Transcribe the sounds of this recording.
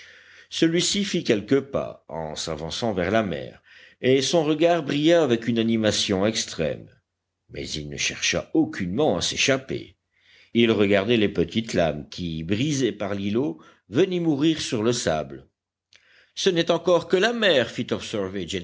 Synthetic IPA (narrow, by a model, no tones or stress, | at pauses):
səlɥisifikʲɛlkəpa̰ɑ̰̃savɑ̃sɑ̃vɛʁlamɛ̰ːʁ | esɔ̃ʁəɡaʁbʁijaːvɛkynanimasjɔ̃ɛkst̪χɛ̰m | mɛ̰zilnə̰ʃɛʁʃa̰okʲʰynmɑ̃a̰seʃapḛ | ilʁəɡaʁd̪ɛlepət̪it̪la̰mkʲibʁizɛpaʁlilo | vənimuʁiʁsyʁləsa̰bl | sənɛt̪ɑ̃kɔʁkəlamɛʁfit̪ɔbsɛʁved͡ʒɛ